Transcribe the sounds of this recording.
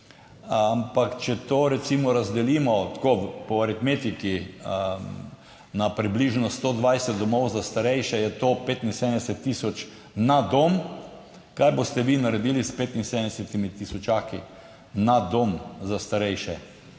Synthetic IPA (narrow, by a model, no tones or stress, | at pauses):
ampakt͡ʃɛt̪oːɾɛt̪simɔɾazd̪ɛliːmɔt̪kopɔaɾit̪met̪iki | napɾibliʒnɔst̪oːd̪ʋajsɛt̪̚d̪ɔmɔwzast̪aɾɛjʃɛjɛt̪opeːt̪insed̪nd̪ɛsɛt̪ːisɔt͡ʃ | nad̪om | kajbost̪ɛʋiːnaɾɛd̪iːlispeːt̪insed̪ənd̪ɛsɛt̪imit̪isɔt͡ʃaki | nad̪omzast̪aɾɛjʃɛ